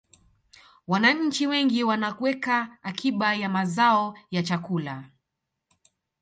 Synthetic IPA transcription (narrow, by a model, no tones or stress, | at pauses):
wanaɲ̩t͡ʃiwɛŋɡiwanakwɛkaːkʰiɓajamazaɔjat͡ʃakula